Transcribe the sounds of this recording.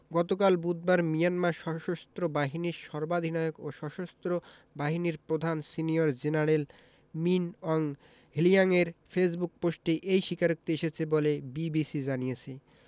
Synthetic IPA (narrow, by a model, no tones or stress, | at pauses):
ɡɔt̪okalbud̪̚baɾmijanmaɾʃɔʃost̪ɾobaɦiniɾʃɔɾbad̪ʱinaokoʃɔʃost̪ɾo | baɦiniɾpɾod̪ʱansinijoɾd͡ʑenaɾel | minɔŋ | ɦilijaŋeɾfes̬buk̚posʈeʔejʃikaɾok̚t̪ieʃet͡ɕʰebolebibisid͡ʑanijet͡ɕʰe